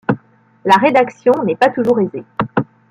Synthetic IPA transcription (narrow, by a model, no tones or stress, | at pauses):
laʁed̪aksjɔ̃nɛpat̪uʒuʁeze